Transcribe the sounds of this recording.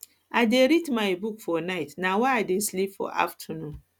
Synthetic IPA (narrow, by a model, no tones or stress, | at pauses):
adeɾitmãɪbukfɔnaɪtnãwɔadɪslipfɔ̰ʔa̰ftʰənũn